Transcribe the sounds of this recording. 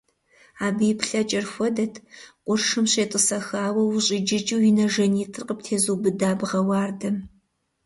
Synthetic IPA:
aːbɨjpɬɐt͡ʃʼɐrxʷɔdɐtʰqʷʊrʂɨmɕeːtʼəsɐxaːwɐwɕʼɪd͡ʒɪt͡ʃʼiwjinɐʒɐniːtʰɨrqəp̚tʰeːzuːbɨdaːbʁɐwaːrdɐm

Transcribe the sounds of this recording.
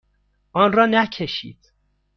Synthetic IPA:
ʔɒːnrɒːnæcʰeʃḭːd̪̥

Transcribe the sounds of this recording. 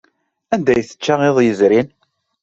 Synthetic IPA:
ænd̪æjθə̥t͡ʃːaʁɪðˤjəzɾin

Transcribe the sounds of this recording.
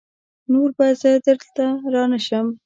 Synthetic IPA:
noɾbazəd̪əɾt̪aɾɑnəʃəm

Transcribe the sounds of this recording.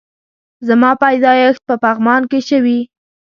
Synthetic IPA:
zamɑpajd̪ɑjəxt̪̚pəpaɣmɑnkeʃəwi

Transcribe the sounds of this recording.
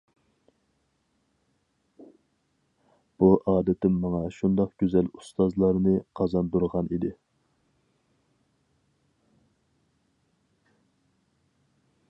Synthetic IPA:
b̥uʔɑːd̪ɪt̪ʰɪmːɑŋɑʃund̪ɑqɡ̥ʲøzɛlust̪ɑzlˠɑɾnɨqʰɑzɑnd̪uɾʁɑnid̪ɪ

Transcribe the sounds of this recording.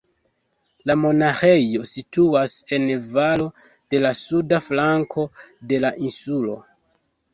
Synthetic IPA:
lamo̞naxe̞jo̞situase̞nvalo̞ | d̥e̞lasudaflaŋkʰo̞de̞laʔinsulo̞̰

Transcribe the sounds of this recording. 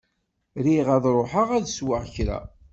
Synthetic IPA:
ɾiʁæðˤɾˤoħaʁæðswəʁçɾæ̰

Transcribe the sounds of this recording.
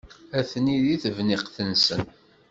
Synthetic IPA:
æθniðiθəvnɪqθənsən

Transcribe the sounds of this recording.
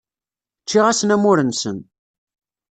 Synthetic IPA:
t͡ʃːiʁæsənæmʊɾənsən

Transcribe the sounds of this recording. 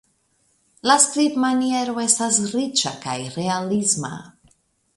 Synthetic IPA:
laskɾipmanjeɾoest̪asɾit͡ʃaka̰jɾealizma̰

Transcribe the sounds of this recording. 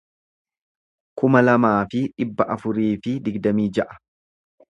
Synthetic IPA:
kʊmɐlɐmaːfɪᶑɪbːɐʔɐfʊɾiːfɪd̪ɪɡd̪ɐmiːd͡ʒɐʔɐ̥

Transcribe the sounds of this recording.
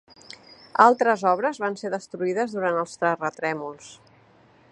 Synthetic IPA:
alˠt̪ɾəzɔβ̞ɾəzβanseðəst̪ɾuiðəzðuɾant̪əlˠst̪ɾərət̪ɾɛmulˠs

